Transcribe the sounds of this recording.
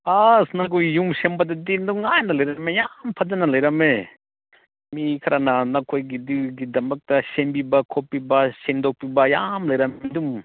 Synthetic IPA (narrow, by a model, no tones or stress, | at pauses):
asnakujjumsembadɐdinduŋajnɐlɐjɾmejampʰɐdanɐlɐjɾɐme | mikʰɐɾʔananakʰojɡiduɡidɐmɐk̚tɐsembibakʰopːibasendɔk̚pibajamlɐjɾɐmdum